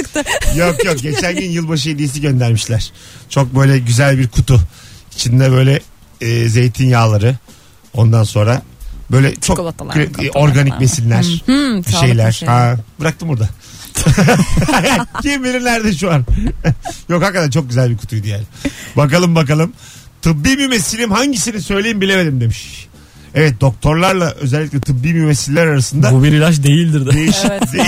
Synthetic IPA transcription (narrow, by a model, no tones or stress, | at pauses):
jokjok̚ɟet͡ʃʰænɟynjɯlˠbaʃ̬ɯjed̪ijis̬iɟø̞nd̪æɾmiʃlʲæɾ̥t͡ʃʰo̞k̚bø̞jlʲɛɟyzælʲbiɾkʰut̪ʰuit͡ʃʰind̪ɛbø̞jlʲɛː | ze̞jt̪ʰinjaːlˠaɾɯ | o̞nd̪anso̞nɾabø̞jlʲɛt͡ʃʰo | ʔo̞ɾɡanicvesilʲːæɾ̥biʃe̞jlʲæɾ̥hab̥ɯɾak̚t̪ʰɯmbuɾd̪a | cʰimvelʲimnʲæɾd̪ɛʃuaɾ | jo̞khakːat̪at͡ʃʰo̞k̚ɟyzælʲbikʰu̥t̪ʰujd̪ijælʲbak̬alˠɯmbakalˠɯm | t̪ʰɯbːiːmimesilʲimhaɲɟisinisø̞jlʲejimbilʲeveɾʲimd̪e̞miʃ | ɛvɛt̪̚d̪o̞k̚t̪ʰo̞ɾlˠaɾlˠaʔø̞̰zɛlʲːiclʲɛt̪ʰɯbːiːmimesilʲːæɾaɾasɯnd̪aubiɾilat͡ʃd̪ejilʲd̪iɾd̪ɛd̪ejiʃid̪e